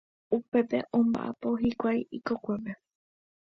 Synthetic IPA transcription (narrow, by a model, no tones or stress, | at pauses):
upe̞t̪e̞ʔõmba̰ʔa̰poɦikʷajiikokʷe̞pe